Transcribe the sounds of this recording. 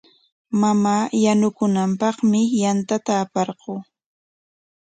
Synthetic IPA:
mamaːjanʊkʊnampɑχmɪjant̪at̪aːpɑɾɢʊː

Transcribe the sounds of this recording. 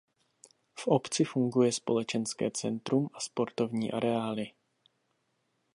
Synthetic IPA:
fʔopt͡sɪfuŋɡujɛspolɛt͡ʃɛnskɛ̰ːt͡sɛnt̪ɾumʔaspo̞ɾt̪o̞vɲiːʔaɾɛaːlɪ

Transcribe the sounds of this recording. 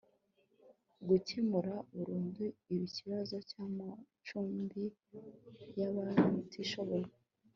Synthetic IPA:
ɡucemuɾaβuɾuːnduiβiciβazo̞caːma | t͡ʃuːmbi | jaβaɾiutʰiʃo̞βo̞ɾa

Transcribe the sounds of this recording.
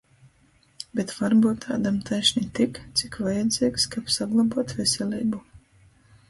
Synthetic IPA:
bʲet̪vaɾbuːt̪ʰːa̰ːd̪amt̪ʰajʃnʲit̪ikt̪sʲi̥kvajad̪zʲiːkskapsaɡlˠabuɔt̪vʲɛsʲɛlʲiːbu

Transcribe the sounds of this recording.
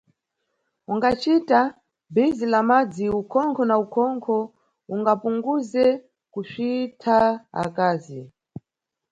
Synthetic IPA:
uŋɡat͡ʃita | bizilamad͡ziukʰɔŋkʰɔnaukʰɔŋkʰɔ | uŋɡapuŋɡuzɛ | kuʃitʰaa̰kaːzi

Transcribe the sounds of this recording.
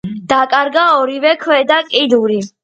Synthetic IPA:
d̪̥akʼaɾɡaɔɾivɛkʰwɛd̪akʼid̪uɾi

